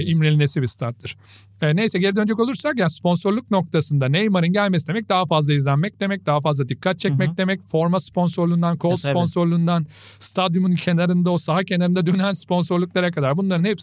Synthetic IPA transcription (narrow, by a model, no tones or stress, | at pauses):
imɾelʲinesibist̪ʰat̪lːɯɾ̥ | ɛne̞jsɛɟeɾid̪ø̞nd͡ʒɛko̞lˠuɾsaɾjanspʰo̞nso̞ɾlˠuk̚no̞k̚t̪ʰasɯnd̪anejmaɾɯnɟælʲmesid̪e̞mɛc̚d̪aɦafazlˠaizlʲænmɛc̚d̪emɛc̚d̪aɦafazlˠad̪ikʰːat̪̚t͡ʃʰɛcmɛd̪e̞mɛcfo̞ɾmaspo̞nsoɾlˠund̪ankʰo̞lˠspo̞nso̞ɾlˠund̪an | st̪ʰad̪jumuncʰe̞naɾɯnd̪ao̞saɦacʰe̞naɾɯnd̪ad̪ø̞nænspʰo̞nso̞ɾlˠuklˠaɾakʰad̪aɾbunlˠaɾɯnheps